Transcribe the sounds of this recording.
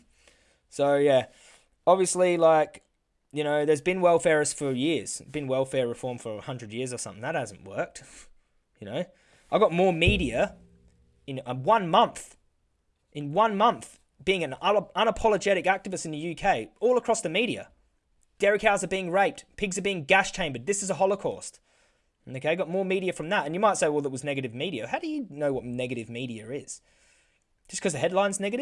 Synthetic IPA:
soʊjæ | ɑbviɨslilaɪk | jɨñoʊðə˞zbɨ̃nwɛlˠfɛɹɨsfə˞jɪɹz̥b̥ɨ̃nwɛlˠfɛɹɹɨfɔɹɱfə˞əhʌ̃ndɹɨd̚jɪɹzə˞sʌ̃mθɪ̃ŋðət̚hæz̃n̩ʔwɜ̰˞k̚t | jɨnoʊ | ʔaɪvɡɑt̚mɔɹmiɾiɨ | ɨ̃nəwʌ̃nmʌ̃nθ | ʔɨ̃nwʌ̃nmʌ̃nθ | b̥iɪ̃ŋɨ̃nʌ̃ñəpʰɑlˠəd͡ʒɛɾɨkæk̚tɨvɨstn̩ðɨjʉkʰeɪɔlˠəkʰɹ̥ɔsðɨmiɾiɨ̰ | d̥ɛɹɨkhaʊzə˞biɪ̃ŋɹeɪp̚tpʰɪɡzə˞biɪ̃ŋɡæʃt͡ʃʰẽɪ̃mbə˞d̪̚ðɪsɨzəɦɑlˠəkʰɔ̰st | oʊkʰeɪaɪɡɑt̚mɔɹmiɾiɨfɹʌ̃mðəɾɨ̃njɨmaɪtseɪɔlˠət̚wʌznɛɡɨɾɨvmiɾiɨ̰haʊɾɨjɨnoʊwʌt̚nɛɡɨɾɨvmiɾiɨ˞ɪz̥ | d͡ʒ̥ʌskʰʌzðɨhɛdˡlãɪ̃nznɛɡɨɾɨ̥

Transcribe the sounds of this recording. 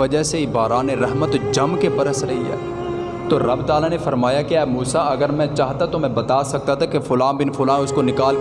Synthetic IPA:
ɐd͡ʒəɦseibaːɾaːneɾɛɦmət̪d͡ʒɐmkebɐɾəsɾɐɦiɦɛ̰ː | t̪oɾɐbd̪aːlanefɐɾmaːjakeɛːmuːsaɐɡəɾmɛ̃t͡ʃaːɦt̪at̪omɛ̃bɐt̪aːsɐk̚t̪at̪ʰakefʊlãːnbɪnfʊlãːʊskonɪkaːlk

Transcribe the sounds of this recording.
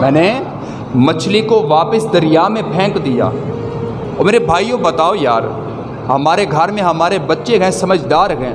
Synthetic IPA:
mɛ̃ːne | mɐt͡ʃʰlikoʋaːpəsd̪ɐɾɪjamẽpʰɛ̃ːŋkd̪ija̰ː | ɔːɾmeːɾebʱaːijobɐt̪aːojaːɾ | hɐmaːɾeɡʱɐɾmẽɦɐmaːɾebɐtːʃeɡɐɛ̃sɐməd͡ʒʱd̪aːɾɡɛ̃

